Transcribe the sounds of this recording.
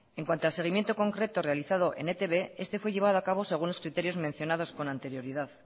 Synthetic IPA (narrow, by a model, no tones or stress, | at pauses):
e̞ŋkwant̪oalse̞ɣ̞imje̞nt̪o̞ko̞ŋkɾe̞t̪o̞re̞aliθað̞o̞ʔe̞̰net̪e̞βe̞e̞st̪e̞fwe̞ʎe̞β̞að̞oakaβo̞se̞ɣ̞unlo̞skɾit̪e̞ɾjo̞zmen̟θjo̞nað̞o̞sko̞nãnt̪e̞ɾjo̞ɾiðað